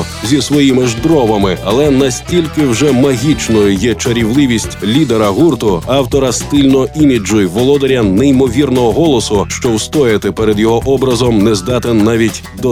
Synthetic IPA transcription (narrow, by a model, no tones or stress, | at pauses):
zʲisʋɔjimɪʒd̪ɾɔʋɐmɪɐlˠɛnɐsʲtʲilʲkɪwʒɛmɐɦʲit͡ʃnɔjʊjɛt͡ʃɐɾʲiwlˠɪʋʲisʲtʲlʲid̪eɾɐɦurt̪ʊɑwt̪ɔɾɐst̪ɪlʲnɔʔimʲid͡ʒʊjʋɔlˠɔd̪ɔɾʲɐnɛimɔʋʲirnɔɦɔɦɔlˠɔsʊʃt͡ʃɔwst̪ɔjɐt̪ɪpɛɾɛd̪jɔɦɔʔɔbɾɐzɔmnɛzd̪ɑt̪enːaʋʲitʲ | d̪ɔ